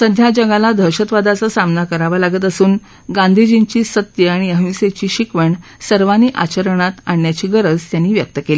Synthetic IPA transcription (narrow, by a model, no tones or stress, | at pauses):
səd̪ʱjad͡ʑəɡalad̪ʱəɾɕət̪ʋad̪at͡sasamnakəɾaʋalaɡət̪̬əsuːn | ɡãnd̪ʱid͡ʑint͡ɕiːsət̪jəaɽ̃iəɦũset͡ɕiːɕikʋəɳsəɾʋaniːʔa̰t͡ɕəɾəɳ̃at̪aɳjat͡ɕiːɡəɾəd͡zt̪janːiːʋjək̚t̪əkeli